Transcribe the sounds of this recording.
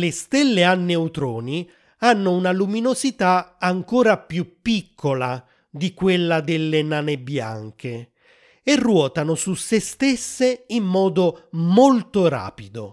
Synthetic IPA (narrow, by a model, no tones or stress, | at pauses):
lest̪elːeanːeut̪ɾɔːni | anːʊunaluminosit̪aaŋkoːɾapjupːikʰːola | d̪ikwelːad̪ɪlːenaːnebja̰ŋk̟e | erːwɔːt̪anʊsusːest̪esːeimːɔːd̪omolt̪oɾa̰ːpid̪o